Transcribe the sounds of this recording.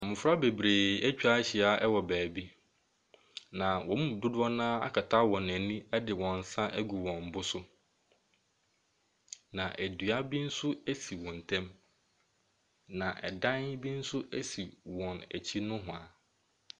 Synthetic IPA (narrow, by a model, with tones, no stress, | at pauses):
ɔ˨mʊ̃˨fɾa˦be˨bɾeː˨ɛ˦t͡ɕᶣa˦ɕi˨a˨ʔɛ˦wɔ˨bæː˨bi˦ | nã˨wɔ̃˨˦mũ˦˨dʊ˦dʊ˦ɔ˦nãː˦a̰˦kʰa˨tʰa˦wɔ̃˨næ˨nĩ˦ɛ˦dɪ˨wɔ̃˨n̩˨sã˦ʔæ˦ɡu˨wɔ̃˨m̩˨bʊ˦sʊ˦ | nã˨ʔæ˨dɥa˦bi˦n̩˦sʊ˦æ˦si˨wɔ̃˨n̩˨tʰɛ̃˦m | nã˨ʔɛ˨dã˦n˦bi˦n̩˦sʊ˦ʔæ˦si˨wɔ̃˨næ̰˨t͡ɕʰi˦nʊ̃˦ɦʊ̃˨a˨